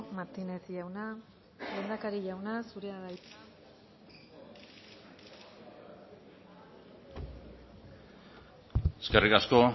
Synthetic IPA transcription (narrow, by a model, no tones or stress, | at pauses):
maɾt̪ine̞t̪ʝawna | lend̪akaɾiʝawnasuɾe̞aðajt͡s̪ | eskerikasko̞